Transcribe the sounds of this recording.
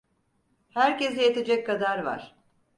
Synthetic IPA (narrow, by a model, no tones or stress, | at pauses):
hæɾcesɛjet̪ʰed͡ʒɛckʰːad̪aɾva̰ɾ̥